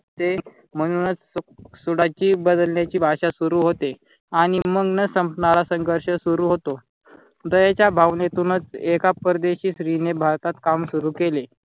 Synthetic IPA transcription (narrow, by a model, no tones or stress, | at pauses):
t̪e | m̤əɽ̃unət͡ssuɽat͡ɕiːbəd̪əlnjat͡ɕiːbʱaɕasuɾuːɦot̪e | aɽ̃iməɡnəsəmpnalasəŋɡʱəɾɕəsuɾuːɦot̪o | d̪əjat͡ɕjabʱaʋnet̪uːnət͡sekapəɾəd̪eɕiːsɾinebʱaɾt̪at̪kamsuɾuːkele